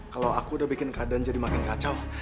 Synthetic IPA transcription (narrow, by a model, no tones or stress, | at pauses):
kalawakuːdabikɪnkadand͡ʒadimakɪnkat͡ʃal